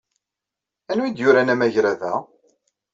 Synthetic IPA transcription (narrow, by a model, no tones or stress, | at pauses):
ænwid̪jʊɾænæmæʝɾæðæ